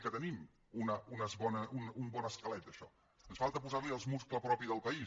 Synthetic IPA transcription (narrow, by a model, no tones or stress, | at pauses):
kət̪ənim | unəunəzβɔnəunumbɔnəskəlɛt̪əʃɔ | ənsfalˠt̪əpuzaɾliəlˠzmuskləpɾɔpiðəlˠpəi